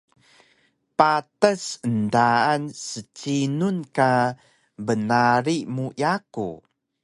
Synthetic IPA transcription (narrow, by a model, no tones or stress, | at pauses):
patəsəndaansət͡ɕinunka | bənaɾimujakṵ